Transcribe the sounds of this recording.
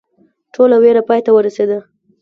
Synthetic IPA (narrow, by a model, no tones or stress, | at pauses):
ʈʰolaweɾapɑjt̪awəɾased̪a